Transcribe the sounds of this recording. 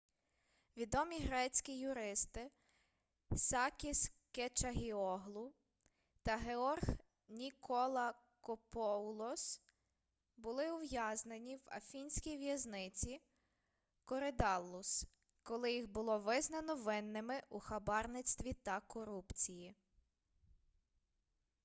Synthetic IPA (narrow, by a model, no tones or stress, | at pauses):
ʋʲid̪ɔmʲiɦɾɛt͡sʲkʲijʊɾɪst̪ɪ | sɑkʲisket͡ʃɐɦiɔɦlˠʊ | t̪ɐɦeɔrx | nʲikʰɔlˠɐ | kɔpɔlˠɔs | bʊlˠɪʊwjɑznenʲiwɐ̰fʲinʲsʲkʲijʋjɐznɪt͡sʲi | kɔɾed̪ɑlˠːʊs | kɔlˠɪjixbʊlˠɔʋɪznɐnɔʋɪnːɪmɪʔuxɐbɑrnɪsʲt̪ʋʲit̪ɐkɔɾupt͡sʲiji